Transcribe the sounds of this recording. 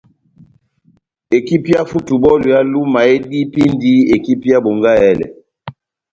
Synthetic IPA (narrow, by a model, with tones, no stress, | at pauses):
e˨ki˦pi˦ja˦fu˦tu˨bɔ˦lu˨ja˦lu˦ma˨e˦di˦pi˦ndi˦e˨ki˦pi˦a˦bo˨ŋɡa˦ɛ˦lɛ̰˨